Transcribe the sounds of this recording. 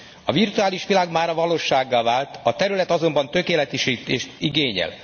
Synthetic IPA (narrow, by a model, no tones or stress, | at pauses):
ɒvirt̪uaːliʃʋilaːɡmaːɾɒvɒloːʃaːɡːaːlvaːlt̪ɒt̪ɛɾylɛt̪ɒzo̞mbɒnt̪ø̞keːlɛt̪ɛʃit̪eːʃt̪iɡeːɲɛ̰l